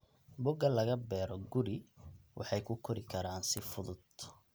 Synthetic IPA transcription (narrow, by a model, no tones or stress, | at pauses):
bʊɡɐlɐɣɐbɛːɾɔɡʊɾɪwɑ̰ħɑjkʰʊkʰɔɾɪkʰɐɾaːnsɪfʊðʊd̪